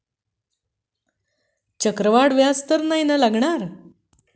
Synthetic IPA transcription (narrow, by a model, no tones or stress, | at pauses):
t͡ɕəkɾəʋaɽʋjast̪əɾnajnalaɡɳaɾ